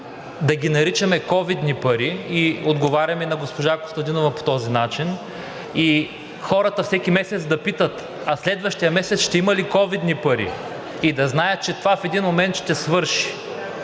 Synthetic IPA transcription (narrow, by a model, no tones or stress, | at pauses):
d̪ɐɡʲinɐɾit͡ʃɐmɛkɔvid̪nipɐɾiːod̪ɡovaɾʲɐminɐɡospoʒako̥st̪ɐd̪inovɐpo̥t̪ɔzinat͡ʃin | i | xɔɾɐt̪ɐfsɛkʲimɛsɛt̪sd̪ɐpit̪ət̪ | ɐslɛd̪vɐʃt̪ijɐmɛsɛt̪sʃt̪ɛimɐlikɔvid̪nipɐɾḭ | id̪ɐznajət̪̚t͡ʃɛt̪ovafɛd̪inmomɛnt̪ʃt̪ɛsvɤɾʃi̥